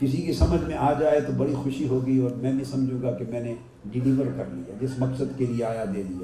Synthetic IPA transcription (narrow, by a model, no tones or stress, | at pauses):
kɪsikisɐməd͡ʒʱmẽʔaːd͡ʒaːet̪obɐɽixʊʃiɦoːɡiɔːɾmɛ̃ːbʱĩsɐmd͡ʒʱũːɡakemɛ̃ːne | ɖɪliːʋəɾkɐɾlḭjad͡ʒɪsmɐksəd̪kelieaːjad̪eːlijaː